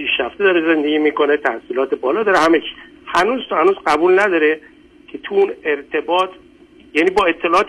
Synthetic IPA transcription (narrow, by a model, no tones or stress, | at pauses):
pʰiːʃɾæft̪ed̪ɒːɾeze̞nd̪e̞ɡʲiːmiːko̞net̪ʰæhsiːlɒːt̪ebɒːlɒːd̪ɒɾehæmet͡ʃʰi̥ | hænuːzt̪hænuːzɢæbuːlnæd̪ɒːɾe | kʰe̞t̪ʰuuːneɾt̪ʰe̞bɒːt̪ʰ | jæːniːbɒːe̞t̪ʰːelɒːɒːt̪